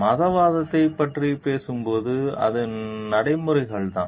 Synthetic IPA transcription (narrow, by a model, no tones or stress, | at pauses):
mɐðɐʋaːðɐt̪ːɐɪpːɐʈripeːsɯmpoːðɯɐ̰ðɯnɐɽɐɪmɯɾɐɪɣɐɭt̪ã̰ː